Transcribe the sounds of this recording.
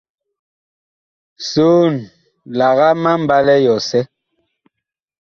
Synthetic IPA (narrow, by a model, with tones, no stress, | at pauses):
so˦˨n | la˨ɣa˦ma˦m̩˨ba˦lɛ˦jɔ˨sɛ˦